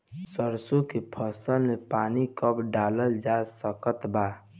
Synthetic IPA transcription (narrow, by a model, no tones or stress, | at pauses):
səɾsokepʰəsəlmepaːnikəpɖaːləld͡ʒasəkət̪ba